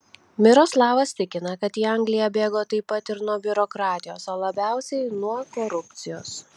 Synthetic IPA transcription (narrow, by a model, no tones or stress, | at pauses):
mʲɪɾoːslˠɑːʋɐst̪ʲɪkʲɪnɐkɐt̪jiːɐŋʲɡlʲɪjɛbʲeːɡoːt̪ɐɪpːɐt̪ɪɾnuɔbʲʊɾɔkɾɑːt̪ʲɪjoːsoːlˠɐbʲæˑʊsʲɛɪnuɔkoɾʊpʲt̪sʲɪjoːs